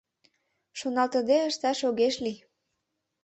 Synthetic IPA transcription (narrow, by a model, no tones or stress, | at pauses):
ʃonɑlt̪ə̆d̪eə̆ʃt̪ɑʃoɣeʃli